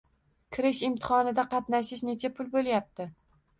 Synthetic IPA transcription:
kʲʰɪɾɪʃɪmt̪ʰɪ̥χɒnɪd̪aqʰɑt̪naʃɪʃne̞t͡ʃʰapʰʊlˠbolˠjap̚t̪ɪ

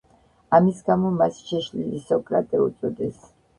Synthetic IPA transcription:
amisɡamɔmasʃɛʃlilisɔkʼɾat̪ʼɛṵt̪sʼɔd̪ɛs

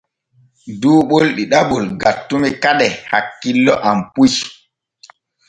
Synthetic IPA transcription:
duːɓolɗiɗaɓɔlɡatːumɛkaɗɛhakːilːɔʔampuʃ

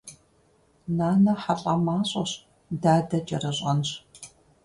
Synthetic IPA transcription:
naːnɐħaɬʼamaːɕʼɐɕ | daːdɐt͡ʃʼɐrɐɕʼɐnɕ

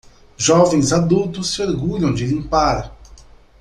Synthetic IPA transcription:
ʒɔvẽj̃zad̪uwt̪ʊsːɪoɾɡuʎɐ̃w̃d͡ʒɪlĩmpaɾ

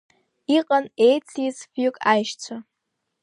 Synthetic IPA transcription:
iqʼanejt͡sʰʼisvjʊkʼajʃt͡sʷʰa

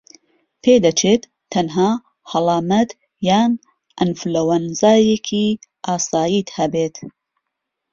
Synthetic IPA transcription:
pʰeːd̪ɐt͡ʃʰeːt̪ʰːɐnɦaː | hɐlˠɑːmɐt̪ | jaːn | ʔɐnflɐwɐnzaːjekʰiʔaːsaːjit̪hɐbeːt̪

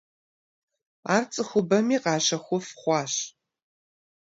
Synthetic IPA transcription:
aːrt͡sʼɨxʷʊbɐmiːqɑːɕɐxʷʊfχʷɑːɕ

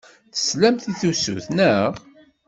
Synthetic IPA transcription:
θə̥slæmθiθusṵθnəʁ

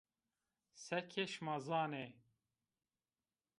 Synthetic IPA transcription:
sɛkʰeʃmɑzɑːne

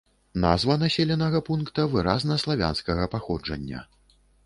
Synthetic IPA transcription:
nazvɐnasʲɛlʲɛnɐɣɐpunkt̪ɐvɨɾaznɐslˠavʲa̰nskɐɣɐpaxɔd͡ʐɐ̰nʲːɐ̰

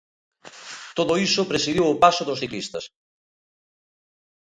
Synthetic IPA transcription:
t̪oðoisʊpɾesiðiwʊpasoðʊsθiklist̪ɐs

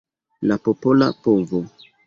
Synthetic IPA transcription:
lapopola̰povo

